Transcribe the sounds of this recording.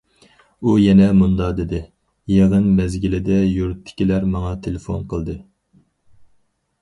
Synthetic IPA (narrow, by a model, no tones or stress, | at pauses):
ujɛnɛmund̪ɑd̪ɪd̪ɪ | jeʁənbɛzɡʲilɪd̪ɛjuɾt̪ʰːɪ̥kʲilæɾmɑŋɑt̪ʰelefo̰nqəlˠd̪ɨ